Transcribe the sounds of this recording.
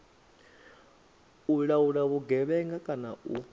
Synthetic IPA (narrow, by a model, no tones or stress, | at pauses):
uɺauɺaβuɡɛβɛŋɡakʼana̰u